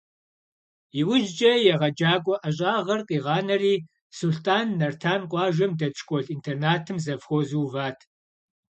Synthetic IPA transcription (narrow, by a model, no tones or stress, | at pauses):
jɪwʊʒd͡ʒʼɐjɛʁɐd͡ʒaːɡʷʼɔʔɐɕʼaːʁɐrqʼiːʁɑːnɐriː | sulɬtʰʼaːnːɐrtʰaːnqʷʼɑːʒɐmdɐt͡ʃʰʼkʷʼɔɬintʰernaːtʰɨmzɐvxʷɔzuːvaːtʰ